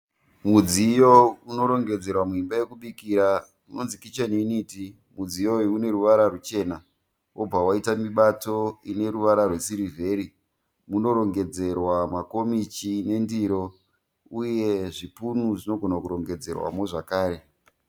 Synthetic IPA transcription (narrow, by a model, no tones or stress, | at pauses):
mud͡zijouno̞ɾo̞ŋɡe̞d͡ze̞rwamimbaje̞kuɓikiɾa | uno̞nzikit͡ʃaniniti | mud͡zijoune̞ɾuʋaɾarut͡ʃe̞ːna | wʔob͡vawaitamiɓato̞ine̞ɾuʋaɾarwe̞siɾivʱe̞ɾi | muno̞ɾo̞ŋɡe̞d͡ze̞rwamako̞mit͡ʃine̞ndiɾo̞ | uje̞ʐipunuʐino̞ɡʱo̞nakuɾo̞ŋɡe̞d͡ze̞̰rwa̰moʐakaːɾe̞